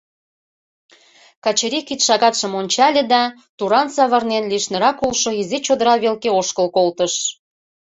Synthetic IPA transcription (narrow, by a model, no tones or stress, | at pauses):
kɑt͡ɕeɾʲikit̪ʃɑɣɑt̪ʃə̆monʲt͡ɕɑlʲĕd̪ɑ | t̪uɾɑnsɑβɤrnenliʃnəɾɑkulʃoizet͡ɕod̪əɾɑβelkeoʃkəlkolt̪əʃ